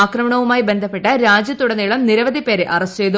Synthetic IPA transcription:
aːkrɐmɐɳɐʋumaːjibe̞nd̪ʱɐpːeʈːɐɾaːd͡ʑjɐt̪ːuɽɐniɭɐmniɾɐʋɐd̪ʱipe̞ːɾeʔɐrɐst͡ɕejd̪u

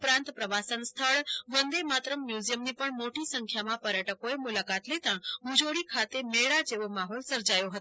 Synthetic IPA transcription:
ʊpɾãnt̪pɾəʋasənst̪ʰəɭʋənd̪emat̪ɾəmːjuzijəmnipəɳmoʈisə̃ŋkʰjamãpəɾjəʈəkoemʊlakat̪let̪əɳmud͡ʒoɽikʰat̪emeɭad͡ʒeʋomaɦɔlsəɾd͡ʒajoɦət̪o̥

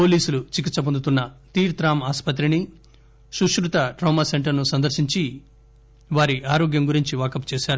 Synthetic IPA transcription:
po̞ːliːsulut͡ʃik̬it̪sɐp̬ond̪ut̪unːɐt̪iːɾt̪ɾaːmaːspɐt̪̬ɾini | ʃuʂɾut̪ɐʈɾɐwmase̞ɳʈɐɾnusɐnd̪ɐɾʃiɲt͡ʃi | ʋaːɾiʔaːɾoːɡjɐmɡuɾiɲt͡ʃiʋaːkɐpt͡ʃɛːʃaːɾu

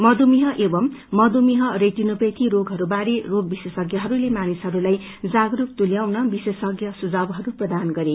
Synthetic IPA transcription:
mʌd̪umiɦʌʔebʌmːʌd̪umiɦʌret̪inupʌt̪ʰiɾoɡʱɦʌɾubaɾeroɡ̚bisesʌɡjʌɦʌɾulemanisɦʌɾulaj | d͡zaɡɾuk̚t̪uljawnʌbisesʌɡjʌsud͡zabɦʌɾuprʌd̪anɡʌɾe

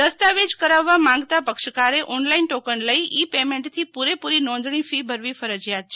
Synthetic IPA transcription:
d̪əst̪aʋed͡ʒkəɾaʋːamãŋɡt̪apəkʃkaɾeʔɔnlainʈokənləiʔipemẽɳʈt̪ʰipuɾepuɾinɔ̃nd̪ʱɳ̃ifibʱəɾʋifəɾəd͡ʒjat̪̚t͡ʃʰe

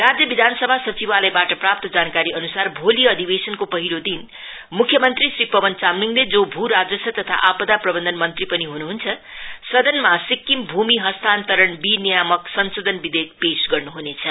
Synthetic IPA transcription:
rad͡zjʌbid̪ʱansʌbʱasʌt͡sibalajbaʈʌprap̚t̪ʌd͡zankaɾiʌnusarbʱoliʌd̪ʱibesʌnkopʌɦilod̪in | mukʰjʌmʌnt̪risripʌbʌnt͡samniŋled͡zobʱuɾad͡zʌsʰʌt̪ʌt̪ʰa̰ʔapʌd̪aprʌbʌnd̪ʱʌnmʌnt̪ripʌniɦunuɦunt͡sʰʌsʌd̪ʱʌnmasikːimbʱumiɦʌst̪ʰant̪ʌɾʌɳbinijamʌksʌnsod̪ʱʌnbid̪ek̚pesɡʌrnuɦunet͡sʰʌ

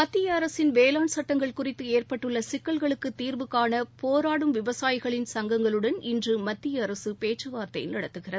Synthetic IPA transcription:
mɐt̪ːɪjɐːɾɐsɪnʋeːlaːɳsɐʈːɐŋɡɐɭkʊrɪt̪ːɯeːrpɐʈːɯɭːɐsɪkːɐɭɣɐɭɯkːɯt̪ːiːrbɯkːaːnɐpoːɾaːɽɯmʋɪʋɐsaːjɪɣɐɭɪnsɐŋɡɐŋɡɐɭɯɽɐnɪndrɯmɐt̪ːɪjɐːɾɐsɯpeːt͡ʃːɐʋaːɾt̪ɐɪnɐɽɐt̪ːɯɣɪrɐð

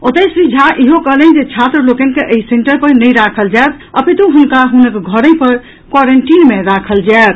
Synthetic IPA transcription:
ot̪əsɾid͡ʒʱaʔiɦokəɦlən̆d͡ʒet͡ʃʰat̪ɾəlokənkeʔəiseɳʈəɾpəɾnəjɾakʰəld͡ʒaet̪ | əpit̪ũɦunkaɦunəkɡʱəɾə̃jpəɾ | kwaɾəɳʈinmeɾakʰəld͡ʒaet̪

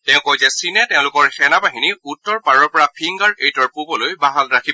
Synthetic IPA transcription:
tɛ̃ʊ̃kojzɛsinɛtɛʊ̃lʊkɔɹxɛnabaɦiniutːɔɹpaɹɔɹpɔɹapʰiŋɡaɹejtɔɹpubɔlojbaɦalɹakʰi

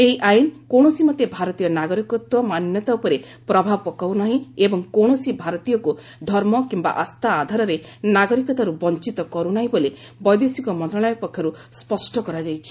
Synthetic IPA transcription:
eɦiʔajnkoɽ̃ɔsimɔt̪ebʱaɾɔt̪ijɔnaɡɔɾikɔt̪ɔmanjɔt̪aupɔɾe | pɾɔbʱapɔkawnaɦĩebɔŋkoɳɔsibʱaɾɔt̪ijɔku | d̪ʱɔɾmɔkimba̰ʔast̪ʰaːd̪ʱaɾɔɾenaɡɔɾikɔt̪aɾubɔnt͡ʃit̪ɔkɔɾunaɦĩbole | bɔjd̪esikɔmɔ̃nt̪ɾaɽ̃ɔjɔpɔkʰːjɔɾuspɔsʈɔkɔɾad͡ʒajt͡ʃʰi̥

